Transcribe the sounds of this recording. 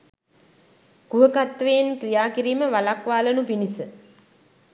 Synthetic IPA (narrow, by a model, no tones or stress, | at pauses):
kuɦəkat̪ʋenkrijaːkiɾiːməʋalakʋaːlənupinisə